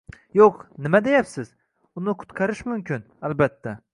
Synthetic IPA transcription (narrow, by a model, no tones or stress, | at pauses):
joqnɪmad̪ejapsɪz | ʊnɪqʰʊ̥t̪qʰɑɾɪʃmʊmkʲʰɪn | ælbat̪ʰːa